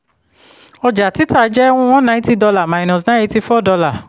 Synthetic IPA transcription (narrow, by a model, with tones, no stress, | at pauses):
ɔ˧d͡ʒa˨ti˨˦ta˦˨˧d͡ʒɛ˦w̃ɔ̃˦˧w̃ɔ̃˦nã˧˦i˦ti˦dɔ˧la˨mã˨˧i˨nɔ̃˨s̬nã˦i˦ti˧fɔ˦˨dɔ˧la˨